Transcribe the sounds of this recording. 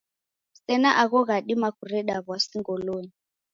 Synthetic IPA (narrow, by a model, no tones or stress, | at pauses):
sɛnaʔaɣɔɣaɗimakʰurɛɗaɣwasiŋɡɔloːni